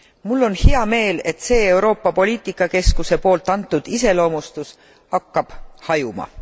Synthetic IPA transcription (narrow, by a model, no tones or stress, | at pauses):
mulːo̞nhiɑme̞ːle̞t̪se̞ːe̞uwɾo̞ːpːɑpo̞lʲiːt̪ˑikːˑɑke̞skuse̞po̞ːlt̪ːˑɑnt̪ːˑud̪̥ise̞lo̞ːmust̪us | hɑkːɑb̥hɑjumɑ̰